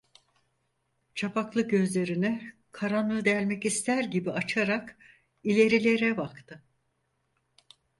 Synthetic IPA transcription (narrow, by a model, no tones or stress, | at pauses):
t͡ʃʰapʰaklˠɯɟø̞zlʲe̞ɾinikʰaɾanˠɯd̪ɛlʲmɛcist̪ʰæɾɟibiat͡ʃʰaɾak | ilʲe̞ɾilʲe̞ɾɛbakt̪ʰɯ